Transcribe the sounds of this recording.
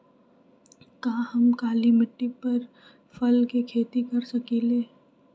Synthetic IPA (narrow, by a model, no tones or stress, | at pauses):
kaːhɐmkaːlimɪʈːipɐɾ | fɐlkikʰeːt̪ikɐɾsɐkiːleː